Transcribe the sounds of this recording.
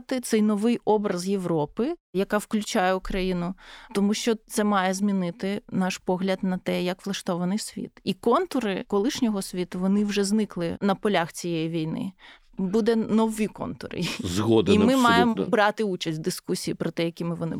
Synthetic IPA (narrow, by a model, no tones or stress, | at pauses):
t̪ɪt̪sɛjnɔʋɪjɔbɾɐzjeʋɾɔpɪjɐkɑwklʲʉt͡ʃajɛʊkɾɐjinʊt̪ɔmuʃt͡ʃɔt̪sɛmɑjɛzmʲinɪt̪ɪnɑʃpɔɦlʲɐd̪nɐt̪ɛjɐkʋlˠɐʃt̪ɔʋɐnɪjsʲʋʲḭt̪ikɔnt̪ʊɾɪkɔlˠɪʃnʲɔɦɔsʲʋʲit̪ʊʋɔnɪwʒɛznɪklˠɪnɐpɔlʲaxt͡sʲijɛjiʋʲijnɪ̰ | bud̪ɛnɔwʲikɔ̰nt̪ʊ̰ɾɪ̰zɣɔd̪imɪmmɑjemɔ̰bɾɑt̪ɪut͡ʃɐsʲt̚ʲd̪ɪskusʲijipɾɔt̪ɛjɐkʲimɪʋɔnɪ̰